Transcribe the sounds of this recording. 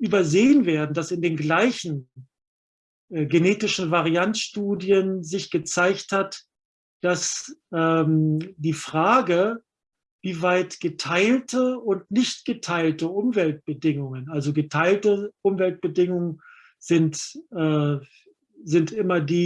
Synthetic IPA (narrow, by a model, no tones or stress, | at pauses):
ʔyːbɐzeːənveːɐdn̩dasɪndeːnɡlaɪçn̩ | ʔɛːɡeneːtɪʃn̩vaʁiantʃtuːdiənzɪçɡ̥ət͡saɪçthat | d̥asʔɛːmdiːfʁ̥aːɡə | viːvaɪtɡ̥ətʰaɪltʰəʊntnɪçtɡ̥ətʰaɪltəʔʊmvɛlt̚b̥ədɪŋʊŋənalzoɡətʰaɪltəʔʊmvɛlt̚b̥ədɪŋʊŋən | z̥ɪntʔɛː | zɪntʔɪmɐdiː